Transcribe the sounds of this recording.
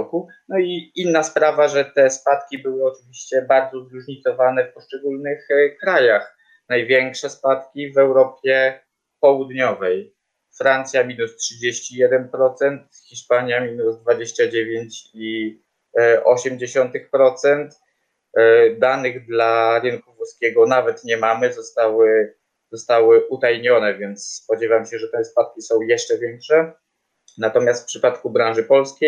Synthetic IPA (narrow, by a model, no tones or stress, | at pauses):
ku | nɔiinːaspɾavaʐɛt̪ɛspat̪kʲibɘwɘɔt͡ʂɘvʲiɕt͡ɕɛbaɾd̪zɔzɾuʐɲit̪sɔvanɛfpɔʂt͡ʂɛɡulnɘxkɾajax | najvʲjɛŋkʂɛspat̪kʲivɛwɾɔpʲjɛ | pɔwud̪ɲɔvɛj | fɾant̪sʲjamʲinustʂɘd͡ʑeɕt͡ɕijɛd̪ɛnpɾɔt̪sɛnt̪xʲiʂpaɲjamʲinuzd̪vad͡ʑeɕt͡ɕad͡ʑevʲjeɲt͡ɕi | ʔɔɕɛmd͡ʑeɕɔnt̪ɘxpɾɔt̪sɛnt̪ | d̪anɘɣd̪laɾɘnkuvuskʲɛɡɔnavɛt̪ɲɛmamɘzɔst̪awɘ | zɔst̪awɘʔut̪ajɲɔnɛvʲjɛnt̪sspɔd͡ʑɛvamɕɛʐɛt̪ɛspat̪̚kʲisɔ̃w̃jɛʂt͡ʂɛvʲjɛŋkʂɛ | nat̪ɔmʲjast̪fpʂɘpat̪kubɾãñʐɘpɔlskʲej